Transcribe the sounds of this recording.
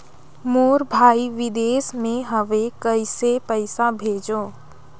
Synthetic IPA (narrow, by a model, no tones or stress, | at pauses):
moːɾbʱaːiʋɪd̪eːsmẽɦəʋekəɪsepəɪsabʱeːd͡ʒõː